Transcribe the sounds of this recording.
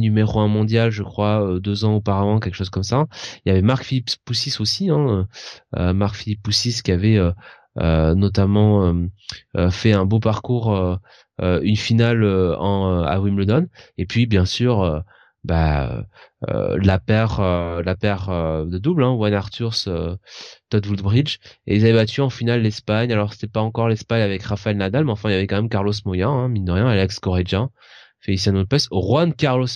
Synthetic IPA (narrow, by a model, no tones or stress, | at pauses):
nymeʁoɛ̃mɔ̃d̪jalʒəkχwaød̪øzɑ̃opaʁavɑ̃k̬ʲɛlkə̥ʃozkɔmsailjavɛmaʁkfilipsːusisosiɛ̃øø̰maʁkfilipːusiskʲiavɛø | ø̰nɔt̪̬amɑ̃øøfɛɛ̃bopaʁkuʁø | øynfinaløɑ̃øa̰wimləd̪ɔnepɥibjɛ̃syːʁø | baø̰ø̰lapɛʁølapɛʁød̪əd̪ublɛ̃wanaʁt̪yʁsøt̪ɔt̪vuld̪bʁid͡ʒḛilzavɛbat̪ʰyɑ̃finalːɛspaɲalɔʁse̥t̪ɛpaɑ̃kɔʁlɛspaɲavɛkʁafaɛlnad̪almeɑ̃fɛ̃iljavɛkɑ̃mɛmkaʁlos̬mɔjɛ̃ɛ̃mind̪əʁjɛ̃alɛkskɔʁed̪jɛ̃ | fɛisiɛ̃not̪̚pɛsʁwankʲaʁlos